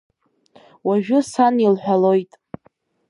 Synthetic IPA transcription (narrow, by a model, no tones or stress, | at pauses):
waʒᶣʊsanilħʷᶣalo̞jtʼ